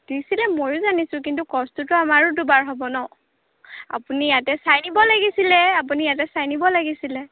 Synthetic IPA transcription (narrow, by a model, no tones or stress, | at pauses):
d̥isilɛmojʊzanisʊ̃kintukɔstutʊamaɹʊdubaɹɦɔbɔnɔ | a̰punijatɛsajnibɔlaɡisilɛap̬unijat̬ɛsajnibɔlaɡisilɛ